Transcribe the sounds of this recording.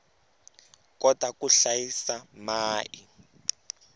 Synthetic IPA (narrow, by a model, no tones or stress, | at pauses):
kɔtakuɬajisamaːʔi